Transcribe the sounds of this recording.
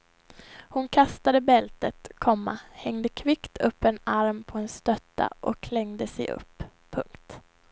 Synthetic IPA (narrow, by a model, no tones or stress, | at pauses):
hʊnkʰast̪ad̪əbɛlt̪ət̪kʰɔmːahɛŋd̪əkʰvɪkt̪ʰɵpːɛnaɾmpʰɔɛnst̪œt̪ʰːa̰ʔɔkʰlɛŋd̪əsɛjʔɵ̰pʰːɵŋkt̪